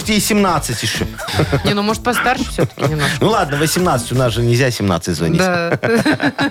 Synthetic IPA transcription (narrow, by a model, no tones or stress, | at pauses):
tʲɪːsʲɪmnat̪sɨtʲɪʂə | nʲenumoʐət̪pɐst̪arʂɨ̥fsʲot̪ə̥kʲnʲɪmnanulˠad̪nəvəsʲɪmnat̪sə̥tʲʊnasʐɨnʲɪzʲasʲɪmna̰t̪sɨtʲzvɐ̰nʲid̪ʲa